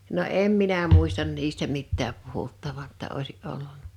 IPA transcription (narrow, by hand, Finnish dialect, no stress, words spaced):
no em minæ muˑistɑn niːstæ mitːæːp puhutːɑʋɑn tːɑ oˑisiʔ ʔolːunˑɑ